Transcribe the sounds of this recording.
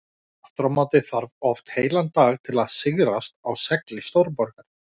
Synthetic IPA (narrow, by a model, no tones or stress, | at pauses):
at̪ɾamat̪ɪθaɾvɔft̪heːjlant̪aːɣt̪ʰɪlaðsɪɣɾast̪awsɛklɪst̪owɾpɔɾkaɾ̥